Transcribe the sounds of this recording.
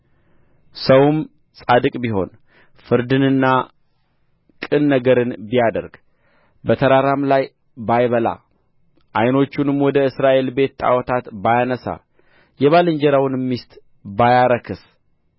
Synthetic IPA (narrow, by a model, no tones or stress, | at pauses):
səwm | sʼad̪ɨkʼbiɦo̞̰n | fɨɾd̪ɨnɨnːa | kʼɨnːəɡəɾɨnbijad̪ə̰ɾɡ | bət̪ʰəɾaɾamlaj | bajβəla̰ | ʔajno̞t͡ʃːunɨmwɔd̪əɨsɾaʔe̞lbe̞t̪ːʼa̰wɔt̪ʰat̪bajanəsa̰ | jɛβalɨɲd͡ʒɛɾawnmːist̪ʼ | bajaɾəkʰɨs